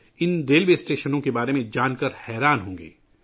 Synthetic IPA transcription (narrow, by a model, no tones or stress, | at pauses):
ɪnɖeːlbeːsʈeːʃənõkebaːɾemẽd͡ʒaːnkəɾhɛːɾaːnɦõːŋɡḛː